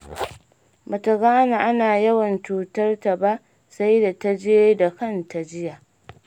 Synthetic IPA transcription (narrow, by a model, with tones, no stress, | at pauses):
mɐ˨tɐ˨ɡaː˦na˨ʔa˦naː˨jɐ˦wɐ˨nt͡ʃuː˨tɐ˦rta˨ba˦ | sa˦jda˨ta˦d͡ʒeː˦da˨kɐ˦nta˨d͡ʒɪ˦ja˨ʔ